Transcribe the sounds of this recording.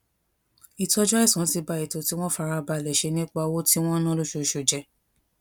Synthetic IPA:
i˨tɔ˧˦d͡ʒɔ˦i˦˨sũ˨˦ti˧ba˧˨i˨to˨ti˦w̃ɔ̃˦fa˧ɾa˧ba˧˨lɛ˨ʃe˧nĩ˦k͡pa˧wo˦ti˦w̃ɔ̃˦nã˦lu˦ʃo˧ʃu˨d͡ʒɛ˧

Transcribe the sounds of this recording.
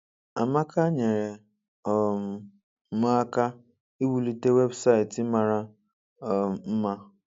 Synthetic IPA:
a˨ma˦ka˦ɲe˨ɾe˨ | ɔ˨m̩˨˦ | ma˦ka˦ | i˦wu˨li˦te˦we˦bsa˦ɪ˨t̩˦ma˨ɾa˦˨ | m̩˦ma˦

